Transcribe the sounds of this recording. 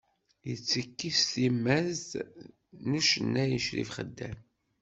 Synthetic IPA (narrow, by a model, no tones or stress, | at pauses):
jət͡sːəkːisθimːæz | nuʃənːæjəʃɾḭfχəd̪ːæm